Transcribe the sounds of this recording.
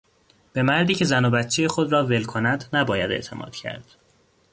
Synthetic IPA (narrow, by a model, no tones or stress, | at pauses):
b̥e̞mæɾd̪iːcʰe̞zænobæt̪t͡ʃʰejexod̪ɾɒːve̞lkʰo̞næd̪næbɒːjæd̪ḛʔt̪ʰe̞̰mʔɒ̰ːd̪̥cʰæ̰ɾd̪̥